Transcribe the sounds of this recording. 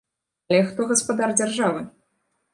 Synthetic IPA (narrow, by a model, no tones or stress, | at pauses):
alʲɛxt̪ɔɣɐspad̪ard͡zʲarʐavɨ